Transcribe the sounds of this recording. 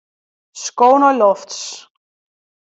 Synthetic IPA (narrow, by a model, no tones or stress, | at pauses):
skoːnɔlɔfts